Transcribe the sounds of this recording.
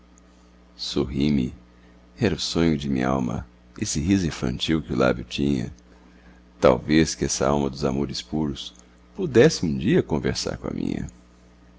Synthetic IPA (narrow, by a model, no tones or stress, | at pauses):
soɦimɪ | ɛɾʊsõɲʊd͡ʒɪmḭ̃ɲɐa̰wmɐ̰ | esɪɦizʊĩfɐ̰̃nt͡ʃiwkɪʊla̰bjʊt͡ʃĩɲɐ̰ | t̪a̰wveskɪɛsɐawmɐd̪ʊzamoɾɪspuɾʊs | pud̪ɛsɪũd͡ʒiɐkõveɾsa̰ɾkõɐ̰mḭ̃ɲɐ̰